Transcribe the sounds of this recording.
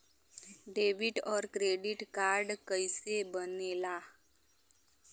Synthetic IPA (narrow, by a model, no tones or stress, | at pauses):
ɖeʋiʈɔɾkɾeɖiʈkaɾɖkəjsebənela